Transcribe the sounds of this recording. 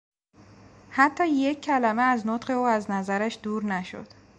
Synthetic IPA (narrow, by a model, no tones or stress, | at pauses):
hæt̪ʰːɒːje̞cʰːælæmeæznot̪ɢe̞uːæznæzæɾæʃd̪̥uːɾnæʃo̰d̪̥